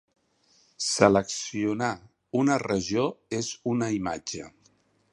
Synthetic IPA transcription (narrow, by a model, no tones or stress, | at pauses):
sələksiuna | unərəʒoezunəima̰d͡ʒə̰